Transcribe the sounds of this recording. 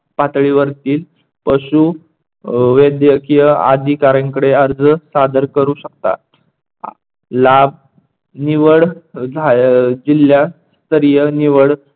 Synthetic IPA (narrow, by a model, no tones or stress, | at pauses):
pat̪ɭiʋəɾt̪iːl | pəɕu | ʋed̪jəkijəa̰d̪ʱikaɾãŋkəɽeəɾd͡zəsad̪əɾkəɾuːɕəkt̪a̰ | lab̚ | niʋəɽd͡zʱad͡ʑilja | st̪əɾijəniʋəɽ